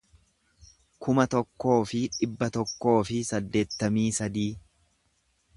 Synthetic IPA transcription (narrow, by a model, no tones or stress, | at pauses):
kʊmɐt̪ɔkːo̞ːfɪᶑɪbːɐt̪ɔkːo̞ːfɪsɐd̪ːe̞ːt̪ːɐmiːsɐd̪iː